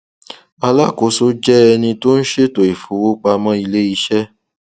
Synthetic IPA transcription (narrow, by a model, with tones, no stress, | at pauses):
a˧la˦˨ko˨˦so˦d͡ʒɛ˦ɛ˧nĩ˧to˦n̩˦ʃe˦to˨i˨fu˨˦wo˦k͡pa˧mɔ̃˦i˧le˦i˧˦ʃɛ˦